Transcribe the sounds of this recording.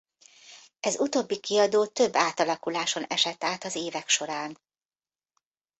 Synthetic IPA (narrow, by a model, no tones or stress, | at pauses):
ɛzut̪oːbːikiɒd̪oːt̪ø̞bːaːt̪ɒlɒkulaːʃo̞nɛʃɛt̪ːaːt̪ɒzeːvɛkʃo̞ɾaːn